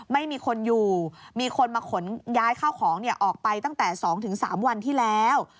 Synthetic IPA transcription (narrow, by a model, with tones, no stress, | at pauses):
ma˥˩jmiː˧kʰo˧njuː˨˩miː˧kʰo˧nmaː˧kʰo˩˦njaː˦˥jkʰaː˥˩wkʰɔː˩˦ŋni˥˩ɐʔɔː˨˩k̚pa˧jt̪a˥˩ŋt̪ɛː˨˩sɔː˩˦ŋt̪ʰɯ˩˦ŋsa̰ː˩˦mwa˧nt̪ʰiː˥˩lɛː˦˥w